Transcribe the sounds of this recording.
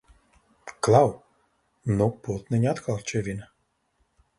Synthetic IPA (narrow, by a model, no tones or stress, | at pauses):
klˠaw | nɔpɔt̪nɛnʲat̪kʰalˠt͡ʃɛvʲin